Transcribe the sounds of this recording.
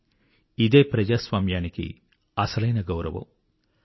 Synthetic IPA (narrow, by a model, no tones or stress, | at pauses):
id̪e̞ːpɾɐd͡ʒaːsʋaːmjaːnikḭ | ɐsɐlɐjnɐɡɐwɾɐʋɐ̰m